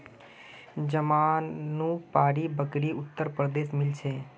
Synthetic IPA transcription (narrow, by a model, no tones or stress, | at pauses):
d͡ʒəmaːnːũːpaːɾiːbəkɽiːʊt̪ːəɾpɾd̪eːʃmɪlt͡ʃʰeː